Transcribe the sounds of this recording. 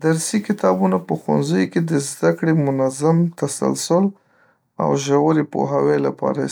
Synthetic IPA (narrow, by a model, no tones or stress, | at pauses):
d̪aɾsikɪt̪ɑbunapəxwa̰nzajked̪əzd̪akɽemʊnazamt̪asa̰lsʊl | a̰wʒawəɾepo̰ɦawelapɑ̰ɾa